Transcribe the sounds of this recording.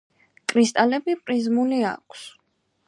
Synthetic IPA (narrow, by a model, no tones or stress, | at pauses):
kʼɾist̪ʼalɛbipʼɾizmulia̰kʰs